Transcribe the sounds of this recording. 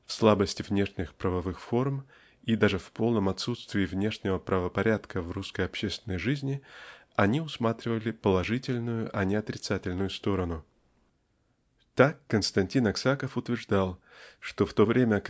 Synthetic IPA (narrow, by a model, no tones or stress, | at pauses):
fslˠabəsʲtʲɪvnʲe̞ʂnʲɪxpɾəvɐvɨxfo̞rm | id̪aʐɨfpo̞lˠnəmɐt̪sut̪st̪vʲɪːvnʲe̞ʂnʲɪvəpɾəvəpɐɾʲat̪kəvruskəjɐpɕest̪vʲɪnːəjʐɨzʲnʲɪ | ɐnʲiʊsmat̪ɾʲɪvəlʲɪpəlˠɐʐɨtʲɪlʲnʊjʊʔɐnʲɪɐt̪ɾʲɪt̪satʲɪlʲnʊjʊst̪o̞ɾənʊ | t̪akːənst̪ɐnʲtʲinɐksakəfʊt̪vʲɪrʐd̪alˠ | ʂt̪oft̪o̞vɾʲʔemʲə